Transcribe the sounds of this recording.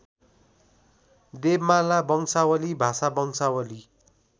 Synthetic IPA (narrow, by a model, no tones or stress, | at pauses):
d̪ebmalabʌŋsawʌlibʱasabʌŋsawʌli